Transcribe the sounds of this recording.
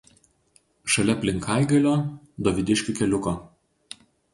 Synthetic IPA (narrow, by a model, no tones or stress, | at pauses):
ʃɐlʲɛpʲlʲɪŋkʰɑˑɪɡɐlʲoː | d̪ɔʋʲɪd̪ʲɪʃʲkʲʊkʲɛlʲʊkoː